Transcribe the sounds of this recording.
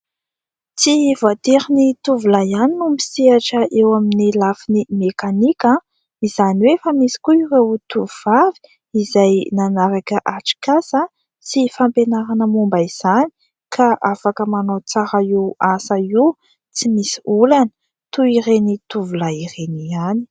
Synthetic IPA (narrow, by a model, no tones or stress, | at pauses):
t͡sivat̪eɾinit̪uvulajaninumisiaʈ͡ʂəʔewaminilafinimekanikʲə | izaniwefamisi̥kuiwewut̪uv̥avi̥ | izajnanaɾakəʔaʈ͡ʂi̥kasə | sifampenaɾanəmumbaiz̥ani̥ | kʰaʔafakəmanot͡saɾaiasai | t͡simisiulanə̥ | t̪uiɾenit̪uvulaiɾeniani̥